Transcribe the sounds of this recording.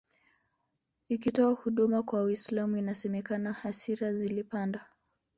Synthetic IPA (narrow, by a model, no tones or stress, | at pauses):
ikitɔahuɗumakwawislamuinasɛmɛkanahasiɾazilipandwa